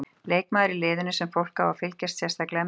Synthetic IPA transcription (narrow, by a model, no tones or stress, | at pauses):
leːjkmaːðɾɪlɪːðʏnʏsɛmfowl̥kawvawfɪlcɛst̪sjɛst̪ʰaklɛ